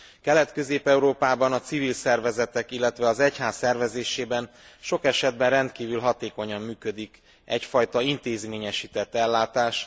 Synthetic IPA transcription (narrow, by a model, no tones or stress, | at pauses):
kɛlɛt̪kø̞zeːpɛuɾoːpaːbɒnɒt̪sivilsɛrvɛzɛt̪ɛkilːɛt̪ʋɛɒzɛchaːsːɛrvɛzeːʃeːbɛn | ʃo̞kɛʃɛd̪̚bɛnrɛnt̪kiːvylɦɒt̪eːko̞ɲɒmːyːkød̪ik | ɛcfɒjt̪ɒint̪eːzmeːɲɛʃiːt̪ɛt̪ːɛlːaːt̪aːʃ